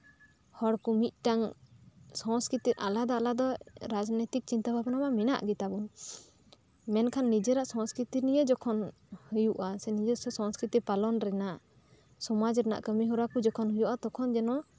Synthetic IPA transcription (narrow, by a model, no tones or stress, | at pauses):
hɔɽkumit̪̚ˀʈaŋ | sɔ̃skɾit̪iɾa̰lad̪ɔalad̪ɔɾad͡ʒnɛt̪ik̚t͡ʃint̪abʱabnabamina̰ʔɡit̪abun | mɛnkʰanːid͡ʒɛɾaʔsɔ̃skɾit̪iɾnijed͡ʒɔkʰɔn | hujuʔasɛnid͡ʒɛsɔsɔ̃skɾit̪ipalɔnɾɛnaʔ | sɔmad͡ʒɾɛna̰ʔkəmiɦɔɾakud͡ʒɔkʰɔnɦujuʔat̪ɔkʰɔnd͡ʒɛnɔ